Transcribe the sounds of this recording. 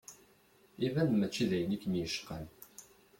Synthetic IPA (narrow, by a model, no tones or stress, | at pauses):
ivænmæt͡ʃːiðæjənikːənjəʃqən